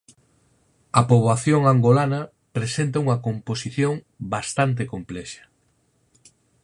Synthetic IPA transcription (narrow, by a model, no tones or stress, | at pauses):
ɐpoβaθjoŋaŋɡolanɐ | pɾesent̪ɐuŋɐkomposiθjoŋ | bast̪ant̪̬ekomplɛʃɐ̥